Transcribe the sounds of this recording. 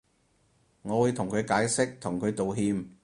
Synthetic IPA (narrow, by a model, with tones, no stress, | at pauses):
ŋɔː˨˧wuː˨˧jt̪ʰʊ˨˩ŋkʰɵ˨˧ɥkaː˨˥jsɪ˥k̚t̪ʰʊ˨˩ŋkʰɵ˨˧ɥt̪o˨wɦiː˧m